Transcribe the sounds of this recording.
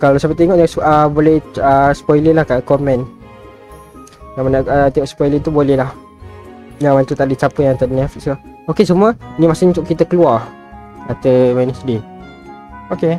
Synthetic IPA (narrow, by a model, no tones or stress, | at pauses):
kalawsapət̪eŋɔʔjasəbolɛhəspɔjləlahkakɔmɛ̃n | jamanaət̪eŋɔʔspɔjlət̪ubolɛhlah | jaŋmant̪ut̪aʔdit͡ʃapəjaŋt̪adinɛfik̚sla | okesumuənimasɪɲĩt̪uʔkit̪əkəluar | at̪əmanisde | oke